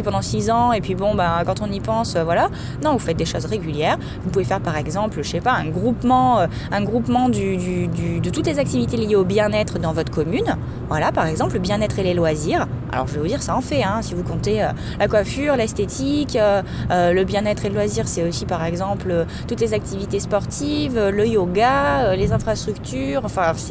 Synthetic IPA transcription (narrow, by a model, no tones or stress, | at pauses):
ipɑ̃d̪ɑ̃sizɑ̃epɥibɔ̃bakɑ̃t̪ɔ̃nipɑ̃søvwala | nɔ̃vufɛt̪̚d̪eʃozʁeɡʲyljɛʁ | vupuvefɛʁpaʁɛɡzɑ̃plʃepaɛ̃ɡʁupmɑ̃ø | ɛ̃ɡʁupmɑ̃d̪yd̪yd̪yd̪ət̪ut̪lezak̚t̪ivit̪elijeobjɛ̃nɛt̪χd̪ɑ̃vɔt̪χəkɔmyn | vwalapaʁɛɡzɑ̃pləbjɛ̃nɛt̪χelelwaziːʁa̰lɔ̰ʁʒəvɛvud̪iʁsaɑ̃fɛɛ̃sivukɔ̃t̪eø | lakwafyːʁlɛst̪et̪ʰikø | øləbjɛ̃nɛt̪χeləlwaziʁsɛosipaʁɛɡzɑ̃plø | t̪ut̪lezak̚t̪ivit̪espɔʁt̪ʰivøləjoɡaølezɛ̃fχast̪χykt̪yʁɑ̃fɛ̃sɛ